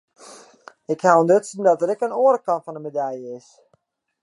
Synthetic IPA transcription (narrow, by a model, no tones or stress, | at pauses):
ɪkhawəndøtsən̩dɔtəɾɛkənoəɾəkɑntfɔnəmedɛjəɪs